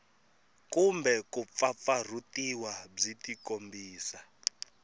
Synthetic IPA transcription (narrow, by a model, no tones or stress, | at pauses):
kumbɛkup̪fap̪far̤utiwab͡ʐitikombʱiːsa